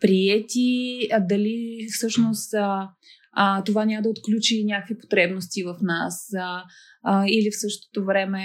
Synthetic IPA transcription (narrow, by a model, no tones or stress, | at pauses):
pɾiɛt̪id̪ɐlifsɤʃnost̪ | t̪ovanʲaməd̪əot̪klʲut͡ʃinʲjakvipo̥t̪ɾɛbnost̪ivɐfnas | ilifsɤʃt̪o̥t̪ovɾɛmɛ